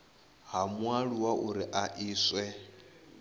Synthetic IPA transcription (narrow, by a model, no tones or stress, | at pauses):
ɦamwaɺuwaʔuɾiʔaʔiːswɛ